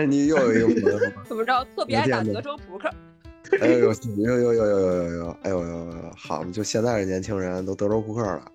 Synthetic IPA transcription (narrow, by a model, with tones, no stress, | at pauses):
ni˨˩jo˥˩ʊjo˨˩ʊi˧i˥ɡə˩˧˥ə˧˩˧ə˨˩mə˧˥ʈ͡ʂ̩ɻɑ˥˧t̪ʰɤ˥˩pjɛ˧˥t̪jn˧˥ʈ͡ʂo˥ʊpʰu˧˥kʰə˥˩˥ | a˥jo˧˩jo˧˩ʊɕjo˥˩ʊjo˧˩ʊjo˥˩ʊjo˧ʊjo˧ʊjo˧˩ʊjo˧˩ʊa˧˥ɪjo˧jo˧˩˧jo˧˩xɑ˨˩ʊ˨m˦t͡ɕjo˥˧ɕjɛ˥˧nt͡sa˥˩ɪɻə˧˩njɛ˧˥nt͡ɕʰi˧˥ŋɻə˧˥n˧t̪o˥ʊt̪ɤ˧˥ʈ͡ʂo˥ʊpʰu˧˥kʰə˞˥˩lə̰˦